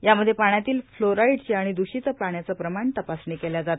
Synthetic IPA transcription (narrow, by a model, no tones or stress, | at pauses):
jaməd̪ʱːjepaɳjat̪iːlfloɾaiɽt͡ɕiaɽ̃id̪uɕit̪əpaɳjat͡səpɾəmaɳt̪əpasɳekeljad͡zat̪